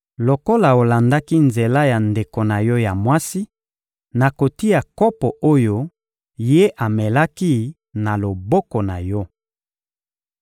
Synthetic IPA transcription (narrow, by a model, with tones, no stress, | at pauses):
lo˨ko˦la˨o˨la˨nda˦ki˦nze˨la˦ja˨nde˨ko˨na˨jɔ˦ja˨mwa˦si˦ | na˨ko˨ti˦ja˨kɔ˦pɔ˨ʔo˦jo˦ | je˦ʔa˨mɛ˨la˦ki˦ | na˨lo˨bɔ˦kɔ˨na̰˨jɔ˦